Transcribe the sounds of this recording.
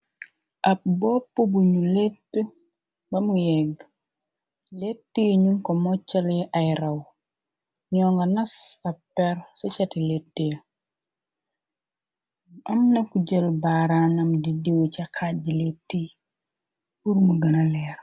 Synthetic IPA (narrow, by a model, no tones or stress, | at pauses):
ʔɐp̚bɔpːobuɲuletːə | bɐmujɛɡ | letːiɲuŋkɔmɔt͡ʃːɐlʔajɾɐw | ɲɔːŋɡɐnɐsɐpːɛɾsɔt͡ʃɐtiletːijɐ | ɐmnɐkuɟəlbaɾanɐmdidewt͡ʃɐkʰaɟiletːi | puɾmuɡɐnalɛːɾ